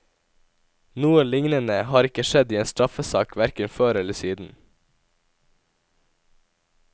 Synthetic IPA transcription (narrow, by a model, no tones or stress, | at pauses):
nuːəlɪŋnənəhɑːɾɪkəʃɛd̪iːeːnst̪ɾɑfəsɑ̰ːkʋæɾkənføːɾɛləsiːd̪n̩